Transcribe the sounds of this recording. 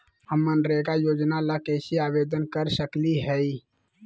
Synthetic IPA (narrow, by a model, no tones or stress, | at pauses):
həmːənɾekajod͡ʒnalakesiabed̪ənkəɾsəkliɦɛi